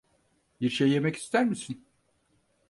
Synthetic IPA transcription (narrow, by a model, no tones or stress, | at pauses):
biɾʃejːe̞mɛci̥st̪ʰæɾmisin